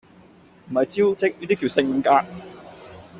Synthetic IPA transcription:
m̩˨˩hɐ˨jt͡siː˥wt͡sɪ˥k̚niː˥t̪i˥k̬ːi˧wsɪ˧ŋ˧kaː˧˥

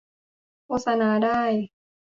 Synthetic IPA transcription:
kʰoː˥t̪̚sa˧naː˨˦˥daː˥˩j

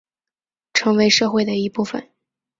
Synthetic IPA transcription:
ʈ͡ʂʰɤ˧˥ŋwe˧˥ɪʂɤ˥˧xwe˥˩ɪd̪ə˩i˧˥pu˥˩fə̰˨˩n

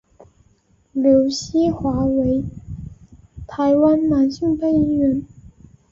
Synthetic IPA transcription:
ljo˧˥ʊɕi˥xwa˧˥we˧˥ɪ | t̪ʰa˧˥ɪwa˥nma˨˩nɕi˥˧ŋpe˥˩ɪi˥ɥɛ˧˥n

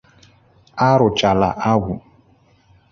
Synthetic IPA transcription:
a˦ɾʊ˨t͡ʃa˨la˨a˦ɡu˨

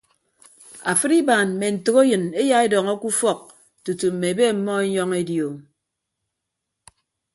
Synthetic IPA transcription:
a˨fɨ˦ɾi˦baː˨nm̩˨me˨n̩˨tɨ˨ko˦jɨ˨ne˦ja˦e˦dɔ˨ŋɔ˦ku˦fɔ˦k̚ | tu˨tu˨m̩˨me˨be˦˨m̩˦mɔ˦e˦ɲɔ˦ŋe˦djo˨

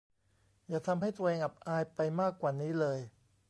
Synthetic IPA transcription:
jaː˨˩t̪ʰa˧mɦa˥˩jt̪u˧ɐʔeː˧ŋʔa˨˩p̚ʔaː˧jpa˧jmaː˥˩kːwaː˨˩niː˦˥lɤː˧j

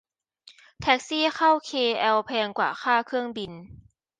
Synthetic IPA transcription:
t̪ʰɛ˦˥k̚siː˥˩xa˥˩wkʰeː˧ʔɛː˧wpʰɛː˧ŋkwa̰ː˨˩xʰaː˥˩kʰɯ˥˩əŋbi˧n

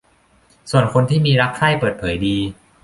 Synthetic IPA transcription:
su˨˩ənkʰo˧nt̪ʰiː˥˩miː˧ɾa˦˥k̚ʰaː˥˩jpɤː˨˩t̪̚pʰɤː˩˦jdiː˧

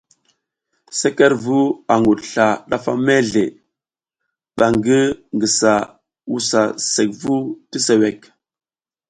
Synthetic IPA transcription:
se˦ke˦ɾvu˦a˨ŋɡu˨dɬa˨ɗa˦fa˦me˦ɮe˨ | ɓa˨ŋɡi˦ŋɡi˨sa˨ | wu˦sa˨se˨k̚vu˦ti˦se˨we˨k

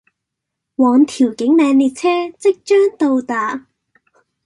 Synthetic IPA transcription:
wɔː˨˧ŋt̪ʰiː˨˩wkɪ˨˥ŋmɛː˨˧ŋliː˨˧t̚t͡sʰɛː˥t͡sɪ˥k̚t͡ʃœː˥ŋt̪o˧wt̪aː˨˧

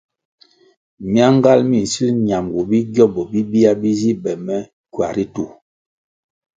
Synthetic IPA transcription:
mja˦ŋ˦ɡa˦lmi˦˨si˦ɲa˨mɡu˨bi˦ɡjɔ˦bɔ˨bi˦bi˦a˦bi˦zi˦bɛ˨mɛ˦ | kɥa̰˨ɾi˦tu˨

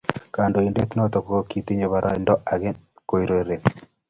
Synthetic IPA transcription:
ka˨ndo˨i˨nde˦t̪nɔ˦t̪ɔ˨ko˦ki˨t̪i˦ɲe˨βaɾʔa̰˦ɪndɔ˦ʔa˨ɡɪ˦ko˨i˨ɾo˦ɾe˨

